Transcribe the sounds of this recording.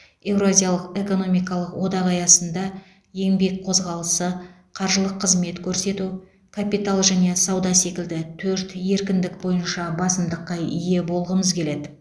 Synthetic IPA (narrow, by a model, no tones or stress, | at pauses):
e̞wɾoazʲijalˠəqe̞ko̞no̞mijkɑlˠəqwʔo̞d̪ɑʁɑjɑsənd̪ɑ | je̞ŋbe̞k̚qʰo̞zʁɑlˠəsə | qʰɑɾʒəlˠəqʰːəzme̞t̪kʲʰɵɾse̞t̪u | kʰapijt̪alˠʒæne̞sɑwd̪ɑse̞kʲɪld̪ɪt̪ʰɵɾt̪je̞ɾkʲɪnd̪ɪk̚bo̞jənʃɑbɑsəmd̪əqːɑʏje̞bo̞lˠʁəməzkʲʰe̞le̞d̪ɪ